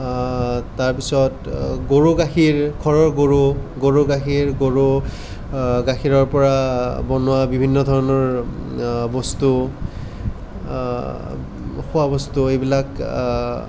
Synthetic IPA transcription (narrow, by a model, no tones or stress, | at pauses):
taɹpisɔtɡoɹuɡaxiɹkʰɔɹɔɹɡoɹuɡoɹuɡaxiɹɡoɹo | ɡaxiɹɔɹpɔɹabɔnʊwabibʱinːɔdʱɔɹɔnɔɹ | bɔstu | xʊwabɔstuejbilak